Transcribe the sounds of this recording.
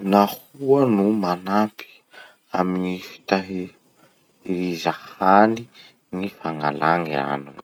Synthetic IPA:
nahuənumanapʰi̥ | aminifi̥t̪aɦi | iɾizahani | nifaŋa̰laŋia̰nuŋ

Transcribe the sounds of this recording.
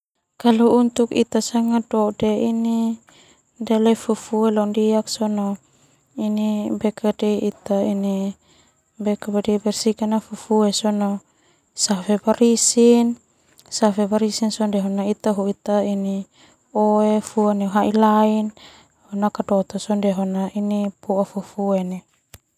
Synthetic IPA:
kaluunt̪ukḭt̪asaŋadɔdeini | ndelɛfufuelɔndiaksɔno | inibɛkadɛit̪aini | bɛkabadibɛrsikanafufuesɔno | safebaɾisin | safebaɾisinsɔndɛɦonait̪aɦuit̪aini | oefuaneɦaʔilain | honakadɔt̪osɔndɛɦonaʔinipuafufuene

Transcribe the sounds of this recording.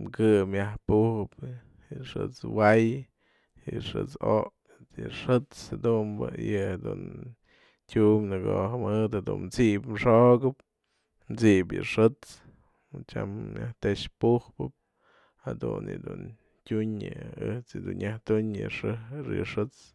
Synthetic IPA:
mkɨmjahpuhɨp | ɨʂɨ̰t͡swaj | ɨʂɨt͡soʔ | et͡sjɨʂɨt͡shad̪umbɨjɨhad̪ṵn | tʲumnɨɡoɦmɨt̪had̪ṵnmt͡siʔpmʂoɡɨp̚ | mt͡siʔpjɨʂɨt͡s | t͡ʃa̰mːjaht̪eʂpuhpɨp̚ | had̪ṵnjɨ̰d̪un | tʲuɲɨɨht͡sjɨd̪unjaht̪uɲjɨʂɨɾɨ̰ʂɨt͡s

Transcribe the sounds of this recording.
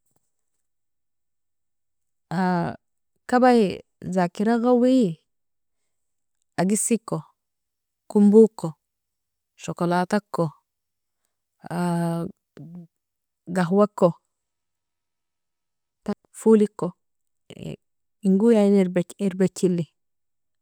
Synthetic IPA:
a | kabajzakiɾaɣawij | aɡisikːo | kumbukːo | ʃokolat̪akːo | a | ɡaɦwakːo | ta | fulikːo̰ | iŋɡujaniɾbeeɾbet͡ʃːilːi

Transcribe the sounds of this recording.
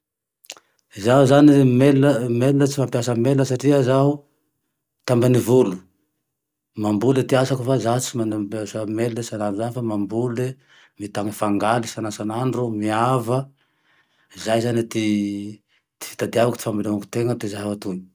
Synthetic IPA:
zaɦuzanimeləmelunət͡simampjasəmelunəsaʈ͡ʂiəzaɦu | t̪ambanivulu̥ | mambulet̪iasakufazat͡simanbasamelunəsanaɳɖ͡ʐuzanifamambule | mit̪aŋəfaŋɡalisanasanaɳɖ͡ʐumiavə | izajzanit̪i | t̪i̥fi̥t̪ad̪iavakut̪ifambilaŋaku̥t̪eŋəd̪ezaɦaat̪uni̥

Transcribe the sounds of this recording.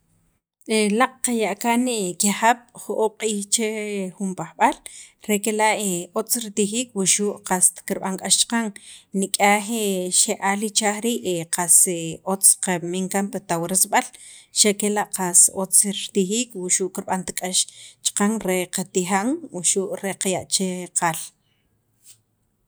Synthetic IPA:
elaq͡χ̚qajaʔkaniʔkihaɓ̥χuʔoʔqʼiːχt͡ʃeχumpaχɓalɾekelaʔeot͡sɾit̪ixiːk̚wuʃuʔqast̪kiɾɓaŋkʼaʃt͡ʃqaŋnikʼaːχeʃeʔalit͡ʃaːχɾiːʔeqʰaseot͡sqamiŋkampat̪awɾesɓalʃakelaʔqasot͡sɾt̪ixiːkwuʃuːʔkiɾɓant̪ḁkʼaʃt͡ʃḁqaŋɾeqat̪ixaŋwuʃuʔɾeqajaʔt͡ʃeqʰal

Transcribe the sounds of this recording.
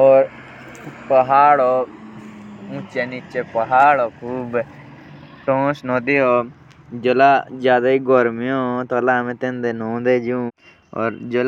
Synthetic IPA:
oːɾ | pəɦaːɽoː | ʊ̃ːt͡ʃenɪt͡ʃepəɦaːɽoːkʰuːb | ʈõːsnõːd̪iːoː | d͡ʒolaːd͡ʒjaːd̪aːiːɡoːɾmɪjõːt̪olaːmẽːt̪ẽnd̪eːnõːd̪eːd͡ʒũː | o̰ːɾd͡ʒol

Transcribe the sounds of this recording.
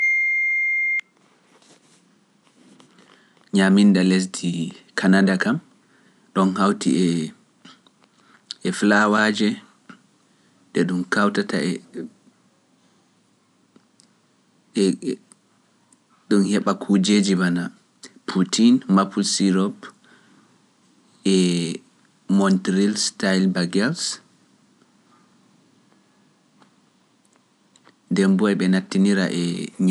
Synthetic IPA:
ɲamindales̬dʰikʰanadakam | ɗɔnhawtʰḭɛ | ɛflawad͡ʒɛ | dɛɗumkawtatʰa̰ɛ | ɗumhɛɓakʰud͡ʒeːd͡ʒimana | pʰutʰinmapʰulsiɾɔp | ɛ | mɔntɾilstajlbaɡɛls | dɛmbɔɛɓɛnatːiniɾaʔɛɲ

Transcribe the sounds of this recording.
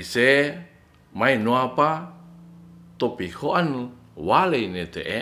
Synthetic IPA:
ise | mainuapa | t̪opihoʔan | waleinet̪eʔe

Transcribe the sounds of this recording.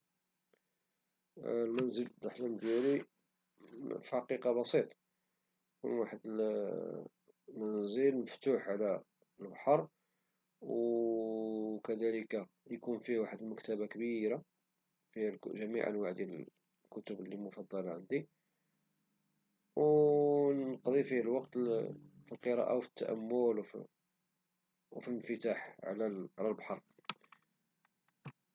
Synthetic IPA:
lmænzəld̪ˤːəħləmd̪jæli | fiħɑqiqɑbɑsˤit̪ˤ | kṵnwaħəd̪əl | mænzəlməft̪uħʕlæ | əlbħɑɾˤ | w | kæd̪æləka | jkunfihwaħəd̪əlməkt̪æbakbiɾa | fiælʒæmḭʕə̰nwaʕd̪jæl | kʊt̪əblːimʊfɑd̪ˤːɑlʕənd̪i | w | nqd̪ˤifihælwɑqt̪filqəɾˤɑ̰ʔa̰wfə̥t̪ːæ̰ʔæ̰mːʊlwfi | wfinfət̪aħʕlæʕlælbħɑɾˤ

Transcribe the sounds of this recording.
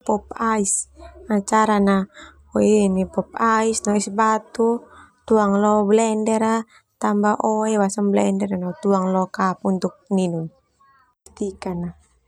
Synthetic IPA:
pɔp̚aisat͡ʃaɾana | ɔɛnipɔp̚aisnɔisbat̪ut̪uaŋlɔblɛndɛɾa | t̪ambaʔɔɛwasaŋblɛndɛɾanɔt̪uaŋlɔkap̚unt̪uk̚ninun | t̪ikana

